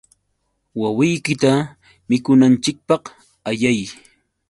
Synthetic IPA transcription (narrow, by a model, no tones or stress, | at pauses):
wawɪjkɪt̪a | mɪkʊnant͡ʃɪk̚pɑq | aʎaj